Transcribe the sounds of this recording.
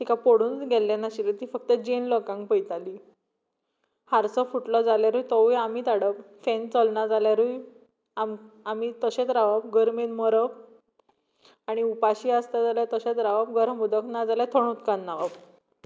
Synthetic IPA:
ʈikapoɽuːnɡɛlːenaɕilet̪iːfəkt̪əd͡ʑenlɔkãŋɡpəjt̪ali | haɾsɔfuʈlɔd͡zaljaɾujt̪ɔujam̤it̪aɽəp | fɛ̃nt͡sɔlnad͡zaljaɾuj | amamit̪əɕẽt͡s̪ɾaʋap̚ɡəɾmenməɾəp | aɽ̃iupaɕiːast̪ad͡zaljat̪əɕet͡sɾaʋabɡəɾmbud̪əknad͡zaljat̪ʰəɳut̪kanːaʋab

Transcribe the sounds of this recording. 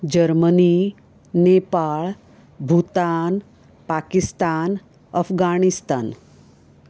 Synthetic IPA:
d͡ʑəɾməni | nepaɭ | bʱut̪an | pakist̪an | əfɡaɽ̃ist̪an

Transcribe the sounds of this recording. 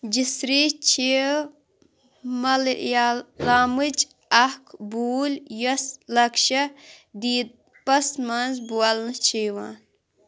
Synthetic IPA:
d͡ʒisɾit͡ʃʰi | mɐljalaːmɨd͡ʒ | ɐhkʰbuːljɐslɐkʃɐd̪iːd̪̚ | pɐsmanzbuɐlnɨt͡ʃʰeːʋaːn

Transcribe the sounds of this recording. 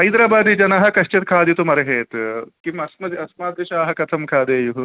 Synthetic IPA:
ɦɐjd̪ɾaːbaːd̪id͡ʒɐnaɦɐ̆kɐʃt͡ʃet̪̚kʰaːd̪it̪umɐɾɐɦeːt̪kimɐsmɐd̪iɐsmaːd̪̚ɡɐʃaːɦɐkɐt̪ʰɐmkʰaːd̪eːjuɦ

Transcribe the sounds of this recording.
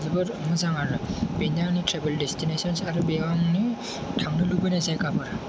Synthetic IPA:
zibɯɾmɯzaŋaɾnɯbenanitʰɾebeldestʰinesɔnsaɾubiaŋni | tʰaŋnɯlubɯjnazajkabɯɾ

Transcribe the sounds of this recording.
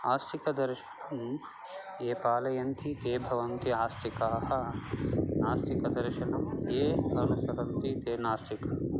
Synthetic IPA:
aːst̪ikɐd̪ɐɾʃɐ̥ɳɐm | eːpaːlɐjɐnt̪it̪eːbʱɐʋɐnt̪iaːst̪ikaːhɐ | naːst̪ikɐd̪ɐɾʃɐnɐmeːɐnusɐɾɐnt̪it̪eːnaːst̪ikɐ

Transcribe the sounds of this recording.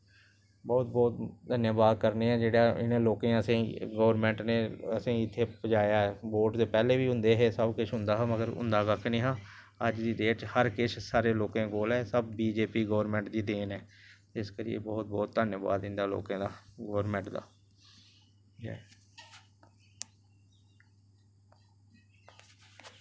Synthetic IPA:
bɔːt̪̚bɔːt̪d̪ənjəːbaːd̪̚kəɾneːãːd͡ʒeːɽaːɪ̰nẽːloːkẽːəsẽːɡɔːəɾmɛ̃ːɳʈneːəsĩːɪt̪ʰːeːbəd͡ʒaːjaːɛːboːʈd̪eːpɛːleːʋiːɦʊ̃nd̪eːɦeːsəbkɪʃʰɦʊ̃nd̪aːɦãːməɡəɾʊ̰̃nd̪aːkəkʰniːɦãː | əd͡ʒd̪iːd̪eːt͡ʃhəɾkɪt͡ʃʰsaːɾeːloːkẽːɡoːlɛːsəb̚ːiːd͡ʒeːpiːɡəːʋɾmɛ̃ːɳʈd̪iːd̪eːnɛː | ɪskəɾɪjḛːbɔːt̪̚bɔːt̪̚ːənjəba̰ːd̪ɪ̃nd̪aːlo̰ːkãːd̪aːɡəːəɾmɛ̃ːɳʈd̪a̰ː | ɛ̰ː

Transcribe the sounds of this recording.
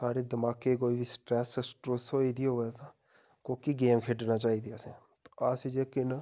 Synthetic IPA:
saːɽeːd̪ɪmaːkːeːkoːiːbisʈɾɛːssʈɾoːsoːiːd̪iːɦoːet̪a | koːkiːɡeːmkʰeːɖnaːt͡ʃaːɦiːd̪iɛsɛ̃ | t̪o̥aːsid͡ʒeːkɪn

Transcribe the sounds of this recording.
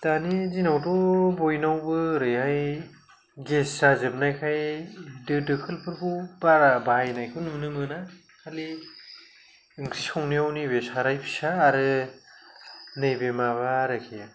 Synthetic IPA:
tanizinawtɔbojnawbɯɾɯjhaj | ɡessazɯp̚najkʰajdɯdɯkʰɯlpʰɯɾbubaɾabajnajkʰunɯmnɯmɯna | kʰali | iŋɡɾiskʰaŋniawnibesaɾajpʰi̥saːɾɯ | nɯjbemaβaɾakʰija

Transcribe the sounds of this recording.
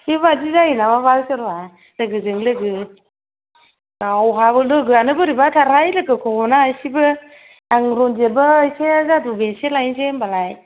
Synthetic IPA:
siβad͡ʒizainamabalsɯɾa | lɯɡɯzɯŋlɯɡɯ | awɦabɯlɯɡɯanɯbɯɾibatʰaɾajlɯkɯkʰɔnaːjsibɯ | aŋɾɔnd͡ʒebɯːjsezadubeselajnsembalaj

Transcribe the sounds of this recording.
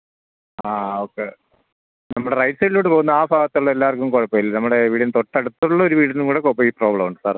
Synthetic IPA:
aːokːe | nɐmːɐɽerɐjʈsɐɣilːoːʈːɨpoːɣunːɐaːbʱaːɣɐt̪ːuɭːɐelːaːɐrkːumkoɻɐpːɐjilːnɐmːɐɽeʋiːɽinɨt̪oʈːeɽut̪ːuuɭːɐo̞ɾuʋiːɽɐnuŋkuːɽekːopːɐmiːpro̞ːbɭɐmuɖɨsaːr

